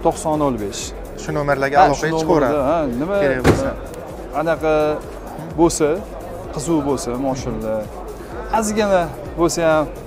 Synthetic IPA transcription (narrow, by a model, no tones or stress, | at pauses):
t̪ʰoqsɒnolˠbeʃ | ʃʊnomeɾlaɾɡʲaalɒʃʰanomoɾd̪aanɪmabona | qʰɑnaqʰɑ | bosa | qʰɨzubolsamɒʃɪnlɪ | azɡʲana | bolsajam